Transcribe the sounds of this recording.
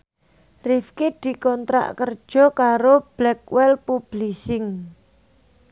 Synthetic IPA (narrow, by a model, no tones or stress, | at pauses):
rɪfkid̪̥i̤kɔnt̪ɾa̰ʔkər̥ʒ̥ɔ̤kaɾob̥lɛk̚wɛlpub̥lisɪŋ